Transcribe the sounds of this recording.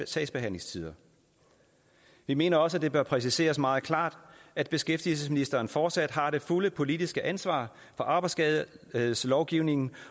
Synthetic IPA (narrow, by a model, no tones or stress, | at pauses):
sɛ̰̥sb̥e̝ɦæn̰le̝ŋst͡sʰið̞ˠɐ | ʋime̝ːnɐɒ̽s̬əæd̥e̝b̥ɶɐpʰʁɛs̬ise̝̰ːɐsmɑ̈ːð̞̩ˠkʰlɑ̰̈ːd̥æd̥̚b̥e̝sɡ̥efd̥il̩səsminisd̥ɐːnfɒːd̥sæd̥ɦɑ̈d̥e̝fuləpʰo̝lid̥isɡ̥əʔænsʋɑ̰̈ː | fɒ̽ʔɑ̈b̥ɑ̈ɪdsɡ̥ɛslɒʊɡ̥iʊne̝ŋn̩